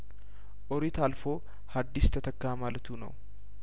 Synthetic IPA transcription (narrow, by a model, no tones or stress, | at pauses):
ʔɔɾɪt̪alfoː | had̪ːɪst̪ʰɐt̪ɐkːaːmaːlɐt̪uːnɐ̰wʊ